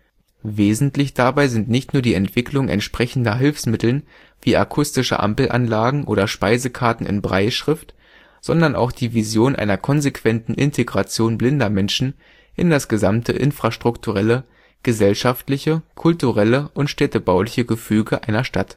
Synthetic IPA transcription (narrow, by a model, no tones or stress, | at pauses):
veːzn̩tlɪçd̥abaɪzɪntnɪçtnuːɐdiːɛntv̥ɪklʊŋʔɛ̰ntʃpʁ̥ɛçn̩dɐɦɪlfsmɪtl̩n | viːʔa̰kʰʊstɪʃə̰ʔa̰mpl̩ʔa̰nlaːɡŋ̩ʔo̰ːɾɐʃpaɪzəkʰaɐtn̩ɪ̰nbʁa̰ɪʃʁ̥ɪft | z̥ɔndɐna̰ʊxd̥iːvizjoːnʔa̰ɪnɐkʰɔnzekʰv̥ɛntn̩ʔɪntʰeɡʁat͡sjoːnblɪndɐmɛnʃn̩ | ʔɪndasɡ̥əzamtʰəʔɪnfʁ̥aʃtʁ̥ʊktuʁɛlə | ɡ̥əzɛlʃaftlɪçəkʰʊltuʁɛləʔʊntʃtɛtəbaʊlɪçəɡəfyːɡəʔaɪnɐʃtat